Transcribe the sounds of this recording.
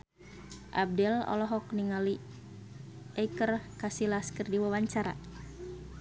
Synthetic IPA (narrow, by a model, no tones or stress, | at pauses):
ʔa̰b̚dɛlɔ̰lɔɦɔkniŋali | ɛkərkasilaskərdiwawaɲt͡ʃaɾa̰